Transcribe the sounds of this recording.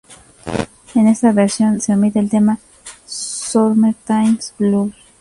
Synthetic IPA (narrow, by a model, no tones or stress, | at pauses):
enest̪aβeɾsjo̞nseomit̪elt̪ema | soɾmet̪ajmsblus